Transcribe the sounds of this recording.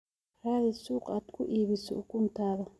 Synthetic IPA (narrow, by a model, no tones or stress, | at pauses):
raːðɪsuːqʼaːd̪kʰʊʔiːβɪsɔ̰kʊnt̪ʰaːðɐ